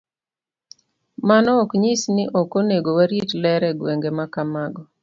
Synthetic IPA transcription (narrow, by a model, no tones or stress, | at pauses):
manɔːkɲisnɪʔɔkoneɡowaɾjetlɛɾɛɡweŋɡemakamaɡɔ